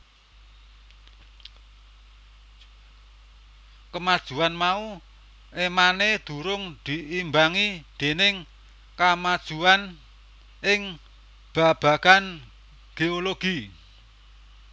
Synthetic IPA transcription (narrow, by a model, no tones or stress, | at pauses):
kəmad̥ʒ̥uanmau | ʔemaned̪̥ṳɾʊŋd̪̥iʔimbaŋid̪̥e̤nɪŋ | kamad̥ʒ̥uan | ɪŋ | b̥a̤b̥a̤ɡ̥an | ɡ̥eoloɡ̥i